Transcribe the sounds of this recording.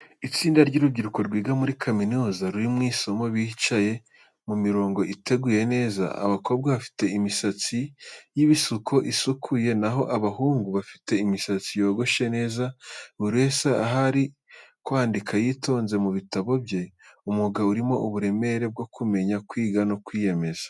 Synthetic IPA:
it͡siːndaɾɟuɾubɟiɾuko̞ɾɡwiːɡamuɾikʰaminuːzaɾuɾimŋiːso̞mo̞βiːhit͡ʃaje̞ | mumiɾo̞ːŋɡo̞ʔite̞ɡuje̞ne̞ːza̰a̰βako̞ːb̚ɡwaβafi̥te̞imisat͡sijiβisukʰo̞ʔisukʰuje̞naɦo̞ʔaβaɦuːŋɡuβafi̥te̞imisat͡sijo̞ːɡo̞ʃe̞ne̞ːzauɾe̞saaɦaɾi | kwaːndikʰajiːto̞ːnze̞muβitaβo̞bje̞umuɡauɾimo̞ʔuβuɾe̞me̞ɾe̞b̚ɡo̞kume̞ɲakwiːɡano̞kwiːje̞me̞z̥ḁ

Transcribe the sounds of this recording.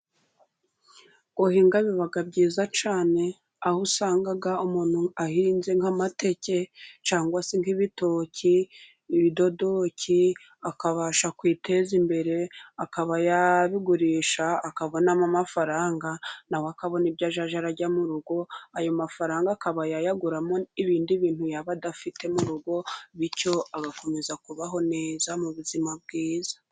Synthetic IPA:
ɡohiːŋɡaβiβaɡabɟiːzat͡ʃaːne̞ | ahusaːŋɡaɡaumuːn̥huahiːnze̞ŋamate̞cet͡ʃaːŋɡwaseŋhiβito̞ciː | βido̞do̞cʰi | akaβaʃakwiːte̞zimbe̞ɾe̞akaβajaβiɡuɾiːʃaːkaβo̞namamafaɾaːŋɡanawakaβo̞nibɟaʒaʒaɾaɾɟamuɾuɡo̞ajo̞mafaɾaːŋɡakaβajajaɡuɾamoiβiːndiβiːnthujaβadafite̞muɾuɡo̞βico̞aɡako̞me̞zakuβaɦo̞ne̞ːzamuβuzimab̚ɡiːzḁ

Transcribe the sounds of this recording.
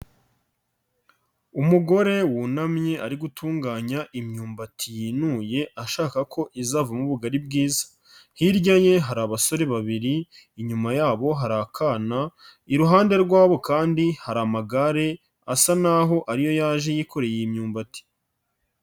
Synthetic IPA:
umuɡo̞ɾe̞wunamɲe̞ʔaɾiɡutʰuːŋɡaːɲaʔimɲuːmbatʰijiːnuːje̞ʔaʃaːkakʰo̞ʔizavamuβuɡaɾib̚ɡiːzḁ | hiɾɟaɲe̞ɦaɾaβaso̞ɾe̞βaβiɾiː | ɲumajaːβo̞ɦaɾakʰanaiɾuɦaːnde̞ɾɡwaːβo̞kaːndihaɾamaɡaɾe̞ | asanaɦo̞ʔaɾijo̞jaːʒe̞jiko̞ɾe̞jeimɲuːmbati̥

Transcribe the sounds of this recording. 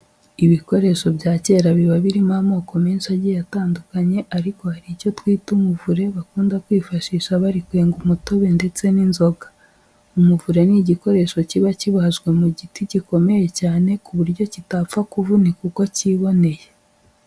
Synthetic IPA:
iβiko̞ɾe̞ʃo̞bjaːce̞ːɾaβiβaβiɾimamo̞ːko̞meːnʃaɟijataːndukaɲe̞ʔaɾiko̞haɾico̞twiːtumuvuɾe̞βakuːndakwiːfaʃiːʃaβaɾikwe̞ːŋɡumutoβende̞t͡se̞ninzo̞ɡḁ | umuvuɾe̞niɟiko̞ɾe̞ʃo̞ciβaciβahaʒɡwe̞muɟitiɟiko̞me̞je̞caːne̞kuβuɾɟo̞citafakuvunikuko̞ciβo̞ne̞je

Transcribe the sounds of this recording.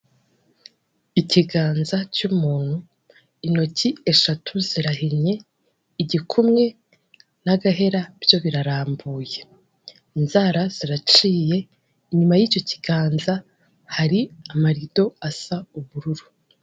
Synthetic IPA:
iciɡaːnzat͡ʃumuːn̥hu | ino̞cie̞ʃatʰuziɾaɦeɲe̞ | iɟikʰumŋe̞ | naɡaɦe̞ɾabjo̞βiɾaɾaːmbuːje̞ | inzaɾaz̥iɾat͡ʃiːje̞ | iɲumajiːco̞ci̥ɡaːnza | haɾiamaɾido̞asauβuɾuɾu̥

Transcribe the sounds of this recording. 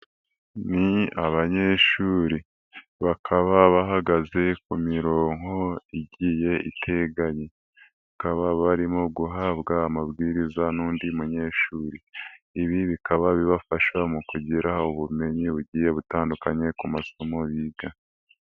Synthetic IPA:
niaβaɲe̞ːʃuːɾi | βakʰaβaβaɦaɡaze̞kumiɾo̞ːŋ̥o̞iɟiːje̞ḭtʰe̞ɡaɲe | βakaβaβaɾimo̞ɡuɦaːbɡaːmabɡiːɾizanuːndimuɲe̞ːʃuːɾiː | βiβikaβaβiβafaʃwamukuɟiɾʔauβume̞ɲiβuɟiːje̞βutaːndukaɲe̞kumaso̞mo̞βiːɡa

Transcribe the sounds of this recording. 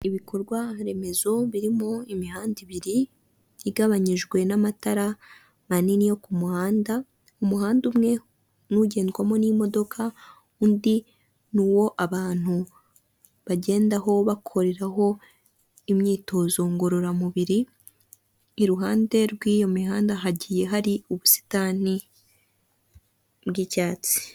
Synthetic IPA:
iβikʰo̞ɾɡwaɾe̞me̞zo̞βiɾimoimihaːndiβiɾiː | ɡaβaɲiʒɡwe̞namataɾa | maninijo̞kumuhaːnda | umuhaːndumŋe̞ | nuɟe̞ːndɡwamo̞nimo̞do̞kʰa | undi | nuːwo̞ʔaβaːn̥hu | βaɟe̞ːndaɦo̞βakʰo̞ɾe̞ɾaɦo̞ | imɲiːto̞ːzo̞ŋɡoɾoɾamuβiɾi | ɾuɦaːnde̞ɾɡwiːjo̞miɦaːndaɦaɟije̞ɦaɾiuβusi̥tani | bɡicaːt͡si̥

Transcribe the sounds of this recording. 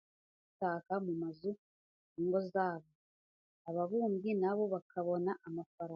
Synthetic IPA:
utaːkamumazu | iŋɡo̞zaːβo | aβaβuːmɡinaβo̞βakʰaβo̞naʔamafaɾa

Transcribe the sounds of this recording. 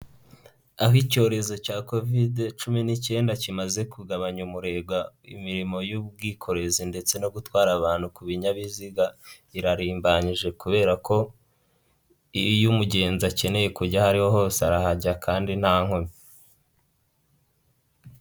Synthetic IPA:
aɦico̞ːɾe̞zo̞caːko̞videt͡ʃuminice̞ːndacimaze̞kuɡaβaɲumuɾe̞ɡwaḭmiɾimo̞juβɡiːkʰo̞ɾe̞zinde̞t͡se̞no̞ɡutwaːɾaβaːn̥hukuβiɲaβiziɡa | iɾaɾiːmbaɲiʒe̞kuβe̞ːɾakʰo̞ | ijumuɟe̞ːnzace̞ne̞je̞kuɾɟahaɾiho̞ho̞ːseaɾahaɟakʰaːndin̥haːŋ̥omi

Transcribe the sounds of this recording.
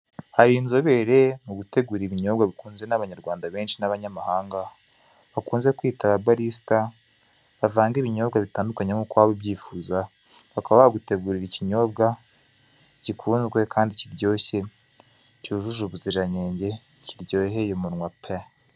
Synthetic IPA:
haɾiːnzoβe̞ːɾemuɡute̞ɡuɾiβiɲo̞ːbɡaβikuːnzenaβaɲaɾɡwaːndaβe̞ːnʃinaβaɲamahaːŋɡa | βakuːnze̞kwiːtaβabaɾista | βavaːŋɡiβiɲo̞ːbɡaβitaːndukaɲemukwaːβobɟiːfuːza | βakaβaaβaɡute̞ɡuɾiɾiciɲo̞bɡa | cikʰuːnzɡwe̞kʰaːndiciɾɟo̞ːçe̞ | cuuʒuʒuβuziɾaɲeːɲɟe̞ | ciɾɟo̞ːɦe̞jomunŋwapʰe

